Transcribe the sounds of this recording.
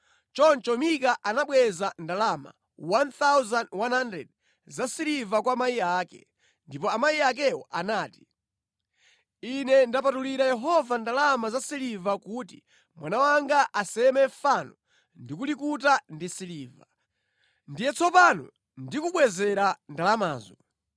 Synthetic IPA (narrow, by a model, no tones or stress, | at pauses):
t͡ʃɔnt͡ʃɔmikaʔanaɓwɛzandalama̰ | want̪awzanwanhandɛ̰d̚ | zasilivak̬wamaiaːkɛ̰ | ndipɔamajiak̬ɛwɔ̰ʔanaːti̥ | inɛndapatuliɾajɛɦɔvandalamazasilivakuːti | mwanawaŋɡaʔasɛmɛfanɔ | ndikulikutandisiliːva̰ | ndijɛt͡sʰɔpanɔ̰ | ndikuɓwɛzɛɾandalamaːzɔ